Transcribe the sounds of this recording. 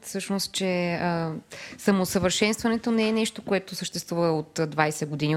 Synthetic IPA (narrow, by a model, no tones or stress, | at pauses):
fsɤʃnost̪̚t͡ʃɛəsɐmosəvəɾʃɛnst̪vɐnɛt̪onɛɛnɛʃt̪okoɛt̪osəʃt̪ɛst̪vuvəot̪d̪vajsɛɡod̪inʲi